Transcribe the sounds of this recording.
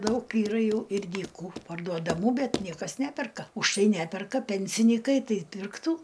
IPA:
ˈdɐʊk iːˈrɐ ˈjɛʊ ɪr dʲiːˈkuː pɐrduɔdɐˈmuː ˈbʲɛt ˈnʲiɛkɐs ˈnʲæːpʲɛrkɐ ʊʃ tɐɪ ˈnʲæːpʲɛrkɐ ˈpʲɛnʲsʲɪnʲiːkɐɪ ˈtɐɪ pʲɪrkˈtuː

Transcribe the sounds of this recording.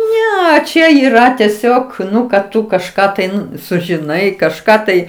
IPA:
ˈnʲɛ ˈt͡ʃʲɛ iːˈrɐ tʲɛˈsʲoːk ˈnʊ kɐt ˈtʊ kɐʃˈkɑː tɐɪ ˈnʊ sʊʒʲɪˈnɐɪ kɐʃˈkɑː ˈtɐɪ

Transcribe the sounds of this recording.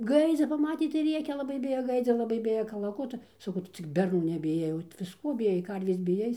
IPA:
ˈɡɐɪd͡zʲɪ pɐˈmɑːtʲeː tɐɪ ˈrʲeːkʲɛ lˠɐˈbɐɪ ˈbʲɪjoː ˈɡɐɪd͡zʲoː lˠɐˈbɐɪ ˈbʲɪjɛ kɐlˠɐˈkʊtʊ sɐˈkɐʊ ˈtʊ t͡sʲɪk bʲɛrˈnuː nʲɛbʲɪˈjɛɪ oː ʋʲɪsˈkuɔ bʲɪˈjɛɪ ˈkɐrʲʋʲeːs bʲɪˈjɛɪ

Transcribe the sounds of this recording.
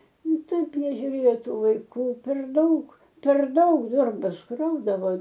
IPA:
ˈnʊ ˈtɐɪp nʲɛʒʲʊˈrʲeːjoː ˈtuː ʋɐɪˈkuː pʲɛr ˈdɐʊk pʲɛr ˈdɐʊk ˈdoːrbɐs ˈkrɐʊdɐʋoː

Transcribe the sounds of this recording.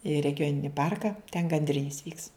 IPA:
ɪ rʲɛɡʲɪˈjoːnʲɪnʲɪ ˈpɐrkɐ tʲɛn ɡɐnʲdʲˈrʲɪnʲɪs ʋʲiːks

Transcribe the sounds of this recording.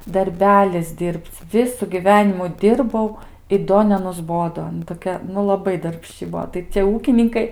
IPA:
dɐrʲˈbʲæːlʲɪs ˈdʲɪrʲpʲt͡sʲ ˈʋʲɪsʊ ɡʲiːˈʋʲæːnʲɪmʊ ˈdʲɪrbɐʊ ɪ ˈdoː nʲɛnʊzˈboːdoː ɐˈnɐ toːˈkʲɛ nʊ lˠɐˈbɐɪ dɐrʲpʲˈʃʲt͡ʃʲɪ ˈbuɔ tɐɪ t͡sʲiɛ ˈuːkʲɪnʲɪŋkɐɪ

